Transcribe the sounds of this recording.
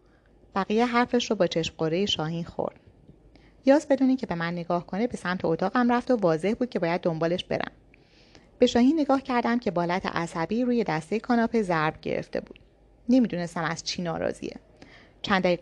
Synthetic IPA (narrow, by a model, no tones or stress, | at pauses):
b̥æɣijeɦæɾfeʃɾɔːbɒːt͡ʃʰe̞ʃmɢoɾejeʃɒːhiːnxo̰ɾd̪̥ | jɒːzbe̞d̪uːniːcʰe̞be̞mænːeɡɒːhkʰo̞nebe̞sæmt̪ʰeot̪ʰɒːɣæmræft̪o̞vɒːze̞hbuːd̪̚cʰe̞bɒːjæd̪̚ːombɒːle̞ʃb̥e̞̰ɾæ̰m | b̥e̞ʃɒːhiːnːe̞ɡɒːhcʰæɾd̪æmcʰe̞bɒːlæt̪ʰḛʔæsæbiːɾuːje̞d̪æst̪ejekʰɒːnɒːpʰezæɾbɟḛɾḛft̪ʰe̞̰bṵːd̪̥ | ne̞mid̪une̞st̪æmæz̥t͡ʃʰinɒːɾɒ̰ːzḭḛ | t͡ʃʰænd̪æiː